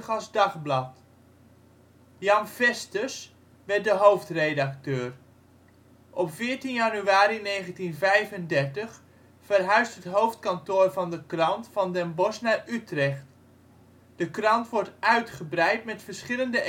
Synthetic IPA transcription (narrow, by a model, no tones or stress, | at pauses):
əχɑzdɑχblɑt | jɑnvɛstəs | ʋɛt̚dəɦowftredak̚tøːr | ʔɔpfɪːɹtinjanyaːɾinejχəntinvɛjvəndɛɹtəχ | fərɦœɥstətɦowft̚kɑntoːrvɑndəkrɑntfɑndɛnbɔsnaːɹytrɛχt | d̥əkrɑntʋɔɹtʔœɥtχəbrɛjtmɛtfəɹsχɪləndə